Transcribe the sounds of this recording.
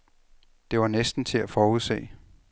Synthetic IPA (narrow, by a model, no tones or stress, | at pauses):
d̥e̝ʋɑ̈nesd̥n̩t͡sʰe̝æfɒːuðˠsḛː